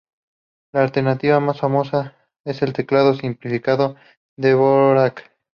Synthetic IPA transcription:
laːlt̪e̞ɾnat̪iβamasfamo̞sa | e̞se̞lt̪eklað̞o̞simplifikaðo̞ | ðeβoɾak

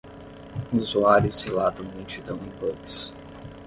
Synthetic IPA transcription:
uzuaɾjʊshelat̪ɐ̃w̃mut͡ʃid̪ɐ̃w̃ẽj̃pɔks

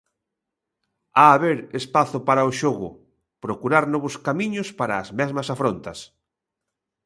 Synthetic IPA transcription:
aːβeɾespaθʊpaɾaoʃoɣʊ̰ | pɾokuɾaɾnɔβʊskamiɲʊspaɾaːzmɛzmɐsafɾont̪ɐs

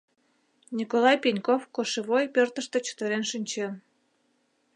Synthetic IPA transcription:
nʲikolɑjpinʲkofkoʃeβojpørt̪ə̆ʃt̪ə̆t͡ɕə̥t̪ə̆ɾenʃinʲt͡ɕĕ

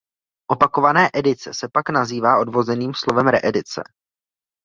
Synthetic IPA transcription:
ʔo̞pako̞vanɛːʔɛdɪt͡sɛsɛpaknaziːvaːʔo̞dvo̞zɛniːmslo̞vɛmɾɛʔɛdɪt͡sɛ̰

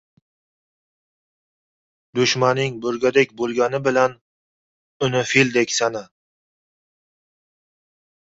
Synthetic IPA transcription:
d̪ʊʃmanɪŋbɵɾɡʲad̪ekʲbolˠɡʲanɪbɪlan | ʊnofild̪ekʲsana

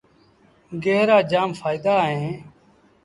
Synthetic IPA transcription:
ɡeːɾaːd͡ʒaːmfʰaːɪd̪aːɦẽː

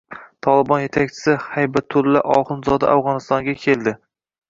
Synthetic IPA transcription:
t̪ʰɒlˠɪbɒnje̞t̪ʰak̚ʲt͡ʃʰɪ̥sɪhajbat̪ʰːʊlːaʔɒχɨnzɒd̪a̰ʔawʁɒnɪst̪ɒŋɡʲakʲʰe̞lˠd̪ɪ

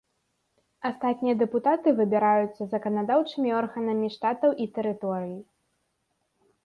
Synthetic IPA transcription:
ast̪at̪ʲnʲijɐd̪ɛput̪at̪ɨvɨbʲiɾajut̪sːɐzɐkɐnad̪awt͡ʂɨmʲiɔrɣɐnɐmʲiʂt̪at̪ɐwʔit̪ɛɾɨt̪ɔɾɨji

